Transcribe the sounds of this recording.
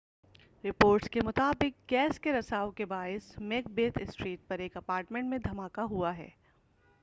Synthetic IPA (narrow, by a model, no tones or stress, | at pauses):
ɾɪpoːɾʈskemʊt̪aːbɪk̚ɡɛːskeɾɐsaːokebaːɪsmeːk̚beːt̪ʰɪsʈɾiːʈ̚pɐɾeːkɐpaːɾʈmẽɳʈmẽd̪ʱɐmaːkaɦuaɦɛ̰ː